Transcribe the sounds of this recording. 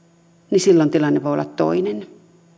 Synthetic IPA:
nisilːont̪ilɑnːeʋoˑolːɑt̪t̪o̰inen

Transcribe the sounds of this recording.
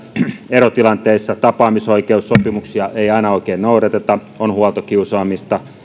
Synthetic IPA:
erot̪ilɑnt̪eisːɑt̪ɑpɑːmisoikeusːopimuksiɑʔeiɑinɑoikeːnnouret̪et̪ɑ | onhuɑlt̪okiusɑːmist̪ɑ

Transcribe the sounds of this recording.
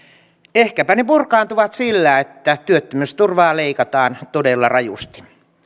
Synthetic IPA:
ehkæpænepurkɑːnt̪uʋɑt̪silːæːet̪ːæt̪yøt̪ːømyst̪urʋɑːleikɑt̪ɑːnt̪odelːɑrɑjṵst̪i̥

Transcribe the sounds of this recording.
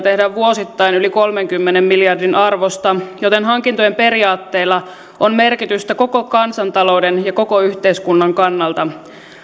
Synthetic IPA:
t̪ehdæʋʋuo̞sit̪ːɑjnyliko̞lme̞ŋkymːenemmiljɑrdinʔɑrʋo̞st̪ɑjo̞t̪enɦɑŋkint̪ojempe̞ɾiɑːt̪ːe̞ːlːɑ | ʔonme̞rkit̪yst̪æko̞ko̞kɑnsɑnt̪ɑlo̞wde̞njɑko̞ko̞yçt̪eiskunːɑŋkɑnːɑlt̪ɑ

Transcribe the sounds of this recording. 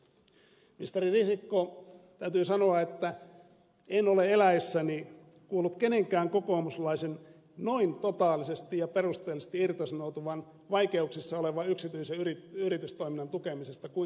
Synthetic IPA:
mist̪eririsikːot̪æyt̪yːsɑnoɑet̪ːæ | eno̞le̞elæjsːæni | kuːlːut̪ke̞ne̞ŋkæːŋko̞koːmuslɑisen | noint̪ot̪ɑːlisest̪ijɑpe̞rust̪eːlist̪iirt̪ɑsɑnout̪uʋɑn | ʋɑike̞uksisːɑoleʋɑyksit̪yiseyriyrit̪yst̪oiminːɑnt̪ukemisest̪ɑku

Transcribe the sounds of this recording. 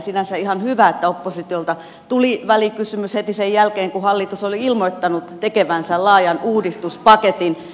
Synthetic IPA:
sinænsæihɑnhyʋæet̪ːæopːosit̪iolt̪ɑ | t̪uliʋælikysymyshet̪isejjælkeːŋkuhɑlːit̪usoliilmoit̪ːɑnut̪t̪ekeʋænsælɑːjɑnuːdist̪uspɑket̪in

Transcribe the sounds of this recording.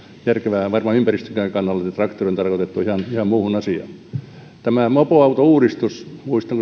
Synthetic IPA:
jærkeʋæʋɑrmɑympærist̪øŋkækɑnːɑlːɑɑt̪rɑkt̪oriont̪ɑrkot̪et̪ːuihɑnihɑmmuːhunɑsiɑ̰ | t̪æmæmopoɑut̪ouːɾist̪usmuist̪ɑŋk

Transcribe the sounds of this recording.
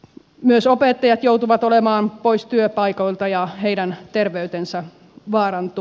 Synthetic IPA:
myøsopet̪ːɑjɑt̪jout̪uʋɑt̪olemɑːnpoist̪yøpɑikoilt̪ɑjɑheidænt̪erʋeyt̪ensæ | ʋɑːrɑnt̪u

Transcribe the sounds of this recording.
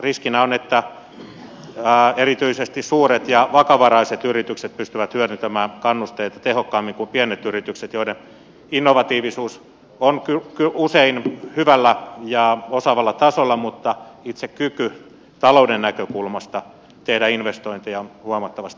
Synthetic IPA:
riskinæonet̪ːæ | erit̪yisest̪issuːret̪jɑʋɑkɑʋɑrɑiset̪yrit̪ykset̪̚pyst̪yʋæt̪hyørynt̪æmæːnkɑnːust̪eit̪ɑt̪ehokːɑːmːiŋkumpienet̪yrit̪ykset̪joiden | inːoʋɑt̪iːʋisuːs | onkykyuseinhyʋælːæjɑosɑʋɑlːɑt̪ɑsolːɑmut̪ːɑit̪sekkyky | t̪ɑloudenːækøkulmɑst̪ɑ | t̪ehdæinʋest̪oint̪ijɑnhuɑmɑt̪ːɑʋɑst̪i

